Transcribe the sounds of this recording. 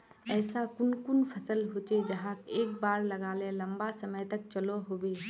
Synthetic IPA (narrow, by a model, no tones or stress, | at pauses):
ɛːsakʊnkʊnpʰɐsəlɦoːt͡ʃed͡ʒɐɦaːkeːkbaːɾlɐɡaːlelɐ̃mbasɐməjt̪ɐk̚t͡ʃɐloɦoːbeː